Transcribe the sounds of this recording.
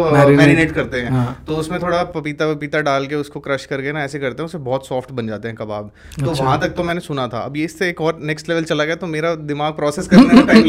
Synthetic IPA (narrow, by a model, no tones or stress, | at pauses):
ɛːɾineːʈkɐɾt̪eɦɛ̃ːt̪oʊsmẽt̪ʰoːɽapɐpiːt̪apɐpiːt̪aɖaːlk̬eʊskokɾɐʃkɐɾɡəenaɛːsekɐɾt̪eɦɛ̃ʊsebɔːt̪sɔːfʈbɐ̃nd͡ʒaːt̪eɦɛ̃kɐbaːb | t̪oːʋɐɦãt̪ɐk̚t̪omɛ̃ːnesʊnat̪ʰa̰ɐ̰bjeɪsːeeːkɔːɾnɛːksʈlɛʋəlt͡ʃɐlaɡɐjat̪omeːɾad̪ɪmaːɡ̚pɾɔːseːskɐɾt̪eʈa